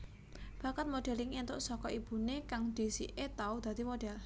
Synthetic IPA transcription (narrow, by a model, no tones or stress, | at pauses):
b̥a̤kat̪̚moɖ̥ɛlɪŋint̪ʊʔsɔkɔʔib̥ṳnekaŋd̪̥i̤sḭʔet̪aud̪̥a̤t̪imoɖ̥ɛ̤l